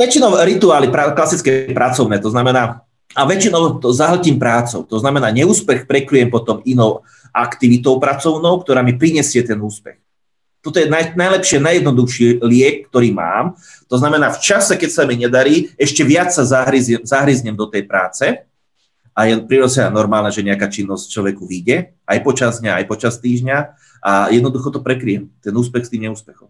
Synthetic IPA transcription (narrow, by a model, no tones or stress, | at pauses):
ʋɛt͡ʃinɔʊɾit̪uaːlipɾaklasit͡skɛpɾat͡sɔʊnɛːt̪ɔznamɛnaː | aʋɛt͡ʃinɔʊt̪ɔzaɦl̩ciːmpɾaːt͡sɔ̰ʊt̪ɔznamɛnaːɲɛuːspɛxpɾɛkɾujɛmpɔt̪ɔminɔʊ | ʔakt̪iʋit̪ɔʊpɾat͡sɔʊnɔʊkt̪ɔɾaːmipɾiɲɛsɪɛt̪ɛnuːspɛ̰x | t̪ɔt̪ɔjɛnanajlɛpʃɪɛnajɛd̪nɔd̪uxʃiːlɪɛk̚ːt̪ɔɾiːma̰ːm | t̪ɔznamɛnaːft͡ʃasɛkɛcsamiɲɛd̪aɾiːɛʃcɛʋɪat͡ssazaɦɾizɛmzaɦɾizɲɛmd̪ɔt̪ɛjpɾaːt͡sɛ | ʔajɛpɾiɾɔzɛanɔɾmaːlnaʒɛɲɛakaːt͡ʃinːɔsct͡ʃlɔʋɛkuʋiɟɛ | ʔajpɔt͡ʃazd̪ɲaa̰jpɔt͡ʃast̪iːʒɲa | ʔajɛd̪nɔd̪uxɔt̪ɔpɾɛkɾiɛmt̪ɛnuːspɛxst̪iːmɲɛuːspɛxɔ̰m